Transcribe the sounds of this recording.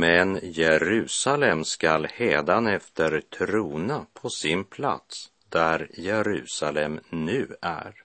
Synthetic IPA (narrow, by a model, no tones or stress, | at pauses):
mɛnjɛɾʉ̟ːsalɛmskalheːd̪anɛft̪əɾt̪ʰɾuːnapʰɔsɪnpʰla̰t̪s | d̪æɾjɛɾʉ̟ːsalɛmnʉ̟ːæ̰ɾ